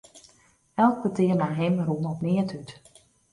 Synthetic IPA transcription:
ɛlˠk̚pətɪːrmajɦɪmrunɔpnɪətʰyt

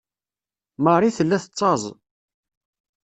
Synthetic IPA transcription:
məɾˤiθəlːæθət͡sˤːɑzˤ

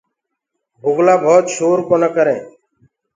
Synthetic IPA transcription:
bʱʊɡlaːbʱoːt̪ʃoːɾkoːnəkəɾẽː

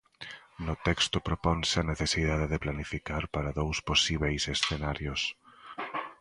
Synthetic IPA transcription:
nʊt̪ɛkst̪ʊpɾopɔnsɪɐneθesið̞aðeðeplanifikaɾpaɾɐðowsposiβejsesθenaɾjʊs

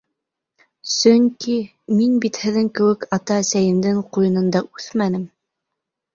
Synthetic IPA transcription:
sɵŋki | minbit̪hɘ̆ðɘŋkɘ̆wɘkɑt̪ɑæsæjɘ̆md̪ɘŋqujɤ̆nɤ̆nd̪ɑʔʉθmænɘm

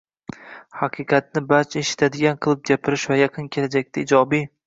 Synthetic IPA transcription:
hɑqʰɨqʰɑt̪̚nɪbaɾt͡ʃʰaeʃɪ̥t̪ʰad̪ɪɡʲanqʰɨlˠɪp̚ɡʲapʰɪɾɪʃvajɑqʰɨnkʲʰe̞lad͡ʒak̚ʲt̪ʰaɪd͡ʒɒbi

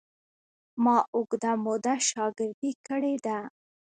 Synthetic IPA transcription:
mɑʔʊɡd̪amod̪aʃɑɡɪɾd̪ikəɽed̪a

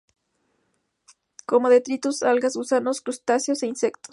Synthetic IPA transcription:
ko̞mo̞ðet̪ɾit̪usalɣasusanoskɾust̪asjoseinsekt̪os

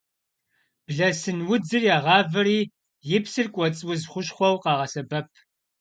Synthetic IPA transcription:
b̥ɮɐsɨnwʊd͡zɨrjaːʁɑːvɨriː | jɪpsɨrkʷʼɔt͡sʼwʊzχʷʊɕχʷɔwqɑːʁɐsɐbɐp̚ʰ

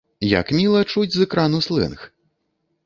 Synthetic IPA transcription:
ja̰kmʲilˠɐt͡ʂud͡zʲzɛkɾanuslˠɛ̰nx

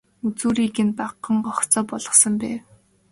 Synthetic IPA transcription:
ut͡suːɾiːkɘ̆npaqːə̆ɴɢɔχt͡sɔːpɔɮɞ̆χsɞ̆mpæːw

